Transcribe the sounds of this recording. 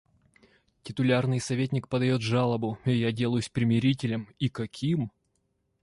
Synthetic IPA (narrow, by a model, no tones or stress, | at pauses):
tʲɪt̪ʊlʲarnɨjsɐvʲet̬ʲnʲɪk̚pəd̪ɐjo̞t̪ʐalˠəbʊɐjadʲe̞lˠəjʊsʲpɾʲɪmʲɪɾʲitʲɪlʲəmikɐkʲʰim